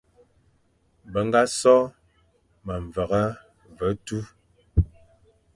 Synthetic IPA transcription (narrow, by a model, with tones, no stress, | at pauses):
bə˨ŋ˦ɡa˦sɔ˦ | ma˨ɱ˨və˨ɣa˦ | və˨˦tu˦